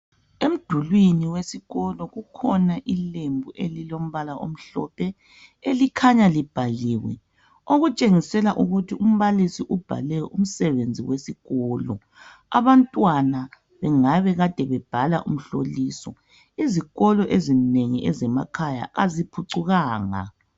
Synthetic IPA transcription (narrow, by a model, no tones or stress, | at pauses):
em̩d̥ʱulwiniwesiɣɔlɔɣukʰɔnaʔilembʱuʔelilom̩βalaʔo̰m̩ɬɔ̰pʰɛ | elikʰaɲalib̥ʱaliːwɛ̰ | oɣut͡ʃʼeŋisɛlaʔuɣutʰium̩βalisiʔub̥ʱa̰lɛɔʔum̩sɛβend͡zʱiwesiɣɔːlɔ | a̰βantʼwana | βɛŋaβɛɣad̥ʱɛβɛb̥ʱalaʔum̩ɬoliːsɔ̰ | iziɣɔlɔʔezineŋiʔɛzɛmakʰaja̰azipʰuǀuɣaːŋa̰